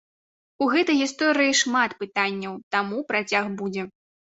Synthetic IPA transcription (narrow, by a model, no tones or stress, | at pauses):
uɣɛt̪ɐjɣʲist̪ɔɾɨjiʂmat̪pɨt̪anʲːɐwt̪amupɾat͡sʲaɣbud͡zʲɛ